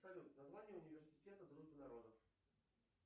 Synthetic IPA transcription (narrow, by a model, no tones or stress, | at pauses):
sɐlʲut̪nɐzvanʲɪjəʊnʲɪvʲɪrsʲɪ̥tʲet̪əd̪ɾuʐbənɐɾo̞d̪əf